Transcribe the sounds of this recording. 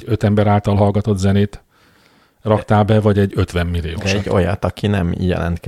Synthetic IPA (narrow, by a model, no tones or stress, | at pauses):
øt̪ɛmbɛɾaːlt̪ɒlɦɒlɡɒt̪o̞t̪zɛneːt̪ | rɒkt̪aːlbɛvɒɟɛɟːø̞t̪ʋɛmːilːijo̰ːɛo̰jɒt̪ɒkinɛmjɛ̰lɛ̰nt̪k